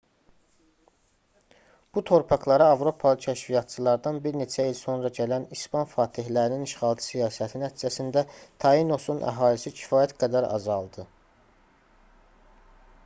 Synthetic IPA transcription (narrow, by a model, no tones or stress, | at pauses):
b̥ut̪ʰo̞ɾpʰɑχlˠɑɾɑɑvɾo̞pʰɑlˠɯcʰæʃvijɑt̪̚t͡ʃʰɯlˠɑɾd̪ɑnbiɾne̞t͡ʃʰæilso̞nɾɑɟælænispɑnfɑːt̪ʰihlæɾininiʃχɑːlˠt̪ʰɯ̥sijɑːsæt̪ʰinæt̪ʰiːd͡ʒæsind̪æt̪ʰɑino̞sunʔæ̰ɦɑːlisicʰi̥fɑːjæt̪ɡæd̪æɾɑ̰zɑlˠd̪ɯ